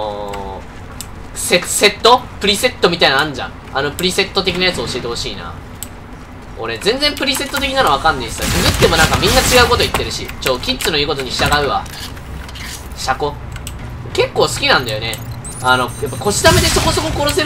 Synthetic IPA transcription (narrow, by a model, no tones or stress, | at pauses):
sese̞t̪ːopɯ̟ɾʲise̞t̪ːomʲit̪ainaãɲd͡ʑã̰ | ano̞pɯ̟ɾʲise̞t̪ːo̞t̪e̞kʲinajat͡sɨoɕie̞t̪e̞ho̞ɕiːna̰ | o̞̰ɾe̞zẽ̞nd͡zẽmpɯ̟ɾʲise̞t̪ːot̪e̞kʲinanoβakãnːeisɨ̥asɨɡɯ̟t̪ːe̞mo̞nãŋkamʲĩnːat͡ɕiɡaɯ̟ko̞t̪o̞it̪ːe̞ɾɯ̟ɕit͡ɕoːkʲitsɨno̞iːko̞t̪̬o̞ɲ̟iɕi̥t̪aɡaɯ̟βa̰ | ɕako̞ | ke̞kːo̞ːsɨ̥kʲinãnd̪ajo̞ne | ano̞japːako̞ɕi̥t̪amed̪e̞so̞ko̞so̞ko̞ko̞ɾo̞se̞